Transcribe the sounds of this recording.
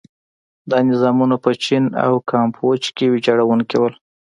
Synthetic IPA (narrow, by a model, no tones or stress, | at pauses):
d̪ɑnɪzɑmunopət͡ʃina̰wkɑmpʰot͡ʃkewed͡ʒɑɽawunkewəl